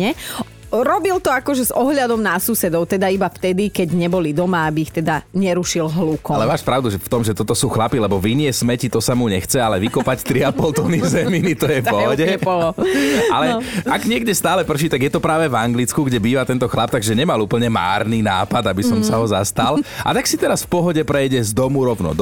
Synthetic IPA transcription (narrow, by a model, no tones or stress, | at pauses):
ɛ | ɾɔbilt̪ɔakɔʒɛzɔɦʎad̪ɔmnasusɛd̪ɔʊt̪ɛd̪aibaft̪ɛd̪ikɛɟɲɛbɔlid̪ɔmaabiːxt̪ɛd̪aɲɛɾuʃilɦlukɔalɛʋaːʃpɾaʊd̪uʒɛft̪ɔmʒɛt̪ɔt̪ɔsuːxlapilɛbɔʋinɪɛsmɛcit̪ɔsamuɲɛxt͡sɛalɛʋikɔpact̪ɾiapɔlt̪ɔːnizɛminit̪ɔjɛɔɦɔɟɛpɔlɔalɛaɡɲɪɛɡɟɛst̪aːlɛpr̩ʃ̬it̪aɡjɛt̪ɔpɾaːʋɛvaŋɡlit͡skuɡɟɛbiːʋat̪ɛnt̪ɔxlap̚t̪aɡʒɛɲɛmaluːpl̩ɲɛma̰ːɾnina̰ːpad̪abisɔmsaɦɔzast̪alʔa̰t̪aksit̪ɛɾasfpɔɦɔɟɛpɾɛjɟɛzd̪ɔmuɾɔʊnɔ̰d̪